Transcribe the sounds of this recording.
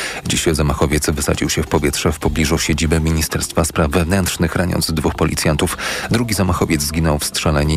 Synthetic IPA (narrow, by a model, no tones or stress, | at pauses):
d͡ʑiɕzamaxɔvʲjɛt̪svɘsa̰d͡ʑiwɕɛfpɔvʲjɛtʂɛfpɔblʲiʐuɕed͡ʑibɛmʲiɲist̪ɛɾst̪faspɾavːɛvnɛnt̪ʂnɘxɾaɲɔ̰ndzd̪vuxpɔlʲit̪sʲjant̪ufd̪ɾuɡʲizamaxɔvʲjɛd̪zzɡʲinɔwfstʂɛlɛɲɛ